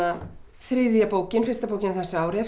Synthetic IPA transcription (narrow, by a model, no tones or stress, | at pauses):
a | θɾɪðjapoːwcɪnfɪrst̪apoːwcɪnaθɛsːaaːwɾɪɛ